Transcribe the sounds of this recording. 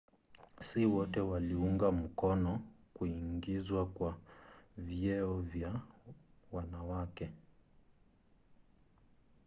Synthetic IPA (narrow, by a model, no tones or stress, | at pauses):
siwɔtɛwaliuŋɡam̩kɔnɔkuiŋɡizwakwa | viɛɔvja | wanawakɛ